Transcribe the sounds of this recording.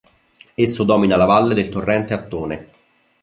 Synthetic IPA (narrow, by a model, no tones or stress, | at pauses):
esːod̪ɔːminalavalːed̪elt̪orːɛnt̪eat̪ːoːne